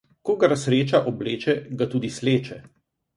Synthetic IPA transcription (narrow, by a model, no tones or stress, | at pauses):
koɡaɾasɾeːt͡ʃaʔɔbleːt͡ʃɛɡat̪uːd̪isleːt͡ʃɛ